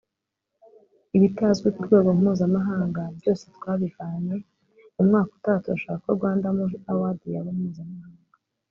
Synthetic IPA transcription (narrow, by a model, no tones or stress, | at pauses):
iβitazɡwikuɾɡe̞ːɡo̞mumuːzamaɦaːŋɡabjo̞ːse̞twaːβivaːɲe | umŋaːku̥tatuaʃoakoɾɡwaːndamuawadijaβemuːzamahahːaːŋɡa